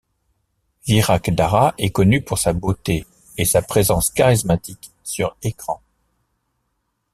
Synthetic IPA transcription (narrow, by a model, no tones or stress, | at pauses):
viʁakd̪aʁaʔɛkɔnypuʁsabot̪eː | sapχezɑ̃skaʁismat̪ik | syʁekχɑ̃